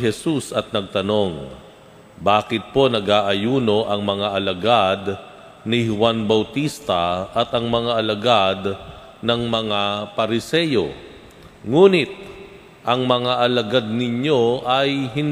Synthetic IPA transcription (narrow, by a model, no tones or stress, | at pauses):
ɦɛsusɐt̪̚nɐɡ̚t̪ɐno̞ŋ | baːkɪt̪̚po̞nɐɡaːʔɐjuːno̞ʔɐŋmɐŋaʔɐlɐɡad̪ | nɪhʊwanbɐwt̪ist̪ɐʔɐt̪ɐŋmɐŋaʔɐlɐɡad̪ | nɐŋmɐŋapɐɾɪsɛjo̰ | ŋuːnɪt̪̚ | ʔɐŋmɐŋaʔɐlɐɡad̪̚nɪɲjo̞ʔɐjɦɪn